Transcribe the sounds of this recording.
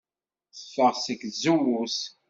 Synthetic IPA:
θə̥fːəʁsəkzuwus

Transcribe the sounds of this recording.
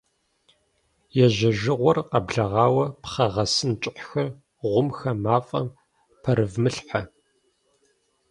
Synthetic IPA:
jɛʒɐʒɪʁʷɔrqɐbɮɐʁɑːwɐpχɐʁɐsɨnt͡ʃʼɪħxɐr | ʁʷʊmxɐmaːfʼɐ̰m | pʰɐɾɨvmɨɬħa

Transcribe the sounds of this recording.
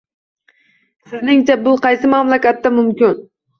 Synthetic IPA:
sɪznɪŋt͡ʃʰabʊqʰɑjsɪmamlˠakʲat̪ːamʊmkʲɪn

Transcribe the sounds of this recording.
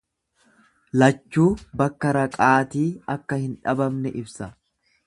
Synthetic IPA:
lɐt͡ʃːuːbɐkːɐɾɐkʼaːt̪iːɐkːɐhɪnᶑɐbɐmnɛʔɪbsɐ

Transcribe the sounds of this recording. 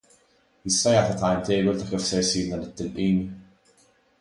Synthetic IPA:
jɪst̪ɐjɐːt̪ɐt̪ɐjmt̪ɛjbɔlt̪ɐkɪfsɛɾsiːɾnɐlɪt̪ːɪlʔiːni

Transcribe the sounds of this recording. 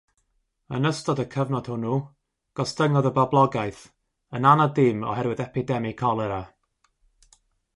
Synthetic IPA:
ənəstɔdəkʰəvnɔd̥hʊnu | ɡ̥ɔsdəŋɔðəbablˠɔɡajθ | ənanadɪmɔ̰ɦɛɾwɨðɛpɪdɛmɪkʰɔlˠɛɾa

